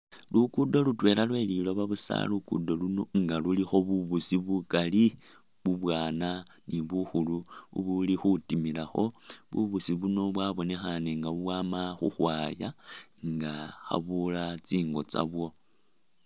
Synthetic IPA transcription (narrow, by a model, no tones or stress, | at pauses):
lukudo̞lutwe̞ːlʔalwe̞lilo̞βaβusa̰lukṵdoluno̞ŋɡalulixo̞βuβusiβukali | βuβwaːna | niβuxuluṵβulixutimilaxo̞βṵβusiβuno̞βwaβo̞ne̞xaneŋɡaβuβwaːmaxṵxwaːjaŋɡaxa̰βulat͡siːŋɡo̞̰t͡sa̰βwo̞